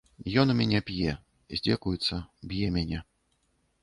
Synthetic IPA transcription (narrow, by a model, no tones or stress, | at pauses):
jɔnumʲanʲɛpʲjɛ | zʲd͡zʲɛkujut̪sːɐbʲjɛmʲænʲɛ